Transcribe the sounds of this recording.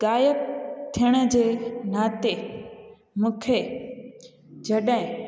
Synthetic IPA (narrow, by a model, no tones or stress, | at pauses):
ɡaːjəb̚t̪ʰijəɽ̃əd͡ʑeːnaːt̪e | mũːkʰe | d͡ʑɐɗɦɪ̃